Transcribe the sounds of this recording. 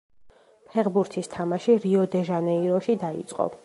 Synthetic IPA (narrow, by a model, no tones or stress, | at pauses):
pʰɛʁbuɾt̪ʰist̪ʰamaʃiɾiɔd̪ɛʒanɛiɾɔʃid̪aḭt̪sʼqʼɔ̰